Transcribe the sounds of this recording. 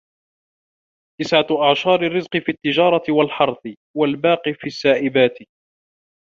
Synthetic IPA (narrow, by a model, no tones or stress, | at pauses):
t̪ɪsʕaʔaʕʃɑːɾɪrːɪzqɨfiːt̪ːɪd͡ʒɑːɾˤɑt̪ɪwalħɑɾˤθˤɨ | walbaːqifiːasːaːʔɪbaːt̪ɪ